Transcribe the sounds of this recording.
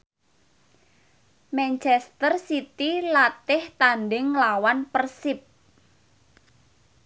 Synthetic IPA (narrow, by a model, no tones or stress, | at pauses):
mɛnt͡ʃɛst̪ərsit̪ilat̪ɪht̪anɖɪŋlawanpərsɪp̚